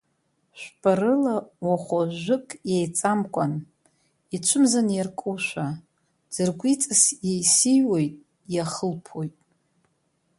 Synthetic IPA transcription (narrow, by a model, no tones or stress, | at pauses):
ʃʷᶣpʼaɾɨlawaχʷoʒʷʊkʼjejt͡sʼamkʷʼan | it͡ʃʷʰʊmzanjarkʼuʃʷa | d͡zɨrɡʷit͡sʼasjejsijwo̞jtʼ | jaχəlpʰojtʼ